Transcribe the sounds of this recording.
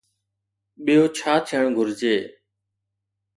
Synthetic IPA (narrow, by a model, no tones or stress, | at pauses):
ɓijoːt͡ʃʰaːt̪ʰeəɳɡʱʊɾd͡ʒeː